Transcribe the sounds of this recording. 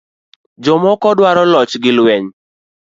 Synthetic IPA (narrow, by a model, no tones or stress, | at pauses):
d͡ʒɔmɔkɔdwaɾɔlɔt͡ʃɡɪlwɛɲ